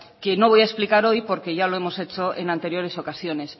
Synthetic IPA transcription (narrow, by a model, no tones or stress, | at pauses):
keno̞β̞ojaesplikaɾo̞jpo̞ɾke̞ʝaloe̞mo̞se̞t͡ʃoʔḛnãnt̪e̞ɾjo̞ɾe̞so̞kasjo̞ne̞s